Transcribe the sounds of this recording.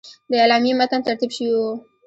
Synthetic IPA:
d̪ajalamimat̪ant̪aɾt̪ibʃijo

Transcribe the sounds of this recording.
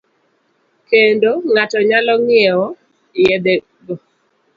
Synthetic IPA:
kendoŋatɔɲalɔŋɪɛɔ | jɛd̪e | ɡo

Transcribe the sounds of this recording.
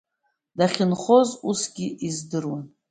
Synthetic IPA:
daχʲɪnχozusɡʲiʔizdɨrwan

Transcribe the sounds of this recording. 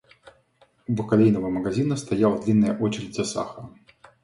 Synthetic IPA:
ubɨkalʲejnɐvɐmɐɣazʲinɐst̪ajawd̪lʲinːɐjɐʔɔt͡ɕɪɾʲɨdʲzʲɐsa̰xɐ

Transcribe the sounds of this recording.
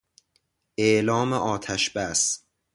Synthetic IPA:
ʔeʔlɒːmeʔɒːt̪ʰæʃbæs

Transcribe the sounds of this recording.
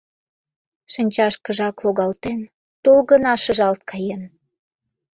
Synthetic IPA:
ʃənʲt͡ɕɑʃkəʒɑkloɣɑlt̪en | t̪olɣənɑʃəʒɑlt̪̚kʰɑjen

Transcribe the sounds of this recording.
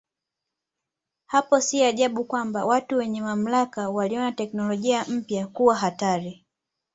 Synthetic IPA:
hapɔsiaʄaɓukwambawatuwɛɲɛmam̩lakawaliɔnatɛknɔlɔʄiam̩pjakuwaɦataɾi

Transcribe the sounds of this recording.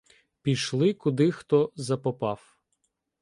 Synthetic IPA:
pʲiʃlˠɪkʊd̪ɪxt̪ɔzɐpɔpɑf

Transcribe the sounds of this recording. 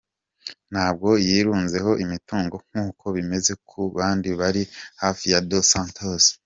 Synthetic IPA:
n̥haːb̚ɡo̞jiːɾuːnze̞ho̞ʔimituːŋɡo̞ŋ̥huːkʰo̞βime̞ze̞kʰuβaːndiβaɾihaːfijadosãːntʰoz̥

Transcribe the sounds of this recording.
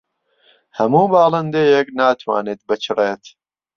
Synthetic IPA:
hɐmuːbaːlˠɐnd̪eːjeknaːt̪ʰwa̰ːneːt̪̚bɨt͡ʃʰɨreːt̪

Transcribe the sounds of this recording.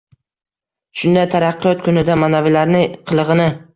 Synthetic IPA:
ʃʊnd̪ajt̪ʰaɾɑqːɨjɒt̪kʰʊnɪd̪amanavɪlaɾnɪqʰɨlˠɨʁɨnɪ

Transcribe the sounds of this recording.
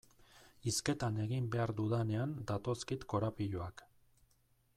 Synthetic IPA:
iske̞t̪ane̞ɣ̞imbe̞aɾd̪uðane̞and̪at̪o̞skit̪ko̞ɾapiʎoak

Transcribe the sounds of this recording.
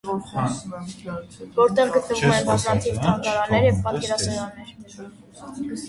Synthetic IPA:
vɔɾt̪ɛʁɡət̪nəvumɛnbɑznɑt̪ʰivt̪ʰɑŋkɑɾɑnːɛɾjɛvpɑt̪̚kɛɾɑsɑɾɑnːɛɾ

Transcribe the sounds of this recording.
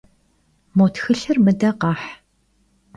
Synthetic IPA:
motxɨɬɨrmɨdɐqɑːħ

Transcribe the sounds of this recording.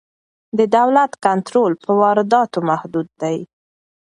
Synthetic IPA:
d̪əd̪awlat̪kant̪ɾolpəwɑɾɪd̪ɑt̪omahd̪ud̪̚ːaj

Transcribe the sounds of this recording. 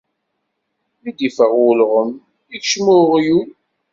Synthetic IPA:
lid̪ifəʁwʊlʁəm | içʃmʊʁjul

